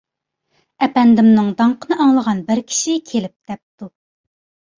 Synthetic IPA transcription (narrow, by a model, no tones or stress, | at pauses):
ɛpɛnd̪ɪmnɨŋd̪ɑɴqənɨʔɑŋlˠəʁɑnbɪɾkʲʰi̥ʃikʲʰelɪp̚d̪̥ɛp̚t̪u